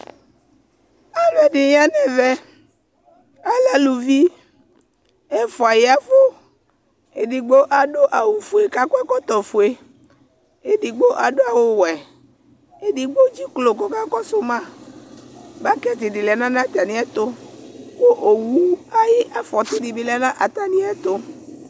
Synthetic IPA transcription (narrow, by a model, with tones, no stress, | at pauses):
a˦lɛ˨ɖi˨ɲ˦a˦nɛ̃˦vɛ˦ | a˦la˨lu˨vi˦ | e˦fɔ˨a˨ji˦a˨˦vo˦ | e˨ɖi˨ɡ͡bo˦ʔa˨ɖo˦ʔa˨wu˨fu˨e˨ka˦kɔ˦ɛ˦kɔ˦t̪ɔ˨fo˨e˨ | e˨di˨ɡ͡bo˦ʔa˨ɖo˦a˨wo˦wɛ˨ | e˦di˨ɡ͡bo˦d͡ʒi˦klo˨k̬o˦ka˦kɔ˦so˦mã˦ | ba˦kɛ˦t̪i˨di˨lɛ˨˦nã˦nã˦t̪a˨nĩ˦ɛ˦t̪o˦ko˦ʔo˨wu˦a˦ji˦ʔa˦fɔ˨t̪i˦di˨bi˦lɛ˨˦nã˦ʔa˨t̪a˦nĩ˦ɛ˦t̪o˦